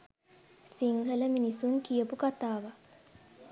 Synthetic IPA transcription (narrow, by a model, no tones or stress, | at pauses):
siŋɡələminisuŋkijəpukat̪aːʋa